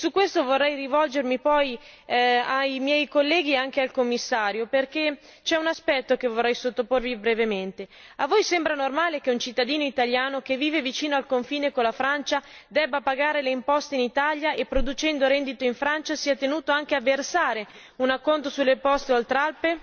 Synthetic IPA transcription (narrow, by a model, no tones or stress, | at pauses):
sukːwest̪ovorːɛjrivɔld͡ʒermipɔj | ajmjɛjkolːɛːɡieaŋk̟ealkomːisːaːɾjoperke | t͡ʃɛunaspɛt̪ːok̟evorːɛjsot̪ːoporvibɾevement̪eavːojsɛmbɾanormaːlekeunt͡ʃit̪ːad̪iːnoit̪aljaːnok̟evːiːvevit͡ʃiːnoalkoɱfiːnekolːafɾant͡ʃa | d̪ɛbːapaɡaːɾeleimpɔst̪einit̪aljaʔepːɾod̪ut͡ʃɛnd̪oɾɛnd̪it̪oiɱfɾant͡ʃasiːat̪enuːt̪oaŋk̟eavːersaːɾe | unakːont̪osulːepɔst̪eolt̪ɾalpe